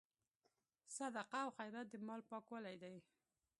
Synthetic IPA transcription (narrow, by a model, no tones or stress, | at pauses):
sad̪aqaawxajɾat̪̚d̪əmɑlpɑkwalajd̪aj